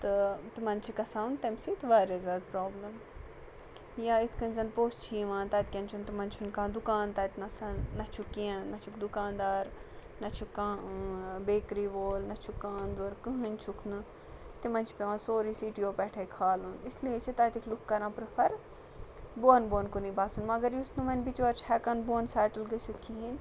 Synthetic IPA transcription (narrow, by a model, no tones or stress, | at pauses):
t̪ɨt̪imɐnt͡ʃʰikɐsaːunt̪ɐmsit̪ʋaːɾezʲaːd̪̚pɾoːblɐm | jaːit̪ʰkɐnzɐnpoːst͡ʃʰiːʋãːt̪ɐt̪̚kʲɐnt͡ʃʰunt̪imɐnt͡ʃʰunkãːd̪ukaːnt̪ɐːt̪nɐsanɐt͡ʃʰukiãnɐt͡ʃʰukd̪ukãːnd̪aːɾnɐt͡ʃʰukãːbeːkɾiːʋoːlnɐt͡ʃʰukaːnd̪ɐɾkɨɦɨnʲt͡ʃʰukʰnɨ | t̪imɐnʲt͡ʃʰpʲeʋãːsoːɾiːsiːʈijoːpɛːʈʰɐkʰaːlunisliet͡ʃʰit̪ɐːt̪ikʰlukkːɐɾãːpɾɨfʰɐɾ | boːnboːnkuniːbaːsunmɐɡɐɾjusnɨmɐnʲbit͡ʃʋɐɾt͡ʃʰɛːkanboːnsɛːʈəlɡəsit̪̚ʰkʰiɦin